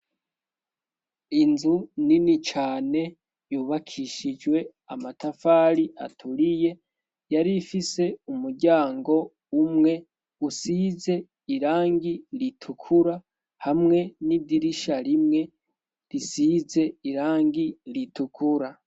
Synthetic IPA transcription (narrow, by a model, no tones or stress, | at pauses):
inzuninit͡ʃaːne̞ | juːβakʰiʃid͡ʒwe̞ | amatafaːɾiʔa̰tʰuɾije̞ | jaɾifise̞umuɾɟaːŋɡo̞ | umŋe̞ | usiːze̞ | iɾaːŋɡiɾitʰukʰuɾa | hamŋe̞nidiɾiʃaɾimŋe̞ | ɾisize̞iɾaːŋɡiɾitukʰuɾa